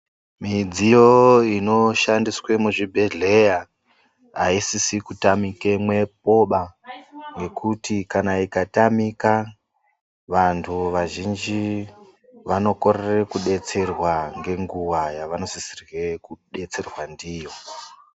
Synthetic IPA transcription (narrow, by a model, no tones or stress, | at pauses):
mid͡zijoino̞ʃandiswe̞muʐibʱe̞ɮe̞ja | ɦaisisikutamike̞mwe̞p̚o̞ɓa | ŋɡe̞kʰutikanaikatamika | ʋantʰuʋaʒind͡ʒi | ʋano̞ko̞rere̞kuɗe̞t͡se̞rwaŋɡe̞ŋɡuʋajaʋano̞sisirwekuɗe̞t͡se̞rwandiːjo̞